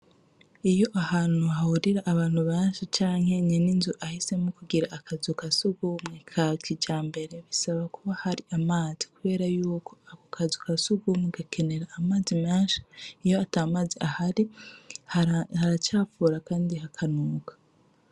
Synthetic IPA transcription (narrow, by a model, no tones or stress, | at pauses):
ijo̞ʔahaːn̥huɦahuɾiɾaʔːβaːn̥huβeːnʃit͡ʃaːŋ̥he̞ɲeninzuʔahise̞mukuɡiɾaʔːkʰazukasuɡumŋekʰakid͡ʒaːmbe̞ɾe̞βisaβakuβahaɾiʔamaːzi̥kuβe̞ːɾajuːko̞akukʰazukasuɡumŋeɡakʰe̞ne̞ɾaːmaːzimeːnʃḁijo̞ataːmaːziʔahaɾihahaɾat͡ʃaːfuːɾakaːndiɦakʰanuːkḁ